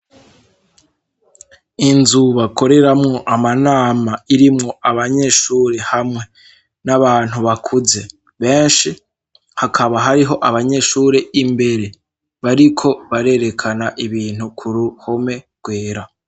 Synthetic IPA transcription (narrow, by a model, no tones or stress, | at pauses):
inzuβako̞ɾe̞ɾamŋo̞ʔamanaːmaiɾimŋo̞aβaɲe̞ʃuːɾe̞hamŋe̞ | naβaːn̥huβakʰuze̞ | βe̞ːnʃi | hakʰaβaɦaɾiɦo̞ʔaβaɲe̞ːʃuːɾeʔimbe̞ɾe̞ | βaɾikʰo̞βaɾe̞ɾe̞kʰanaʔiβiːn̥hukʰuɾuho̞me̞ | ɡ̥we̞ːɾa